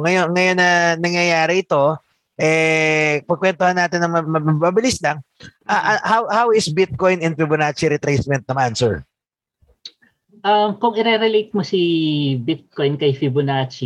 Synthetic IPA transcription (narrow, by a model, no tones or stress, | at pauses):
ŋɐjoŋɐjo̞nːɐnɐŋjɐjaːɾɛʔɪt̪o̞ | ʔɛ | pɐɡ̚kwɛnt̪ohɐnːaːt̪ɪnːɐŋmɐmɐmɐbɪlɪslɐŋʔaʔɐhawhawɪsbɪt̪̚ko̞jnɪnfɪbʊnaːt͡ʃiɾɛt̪ɾejsmɛnt̪̚nɐmansɛɹ | ʔɐmkʊŋɪɾɛɾɛlejt̪̚mosibɪt̪̚kojnkɐjfɪbʊnat͡ʃi